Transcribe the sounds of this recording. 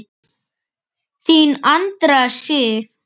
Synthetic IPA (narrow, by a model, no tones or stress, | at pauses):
θinant̪ɾasɪf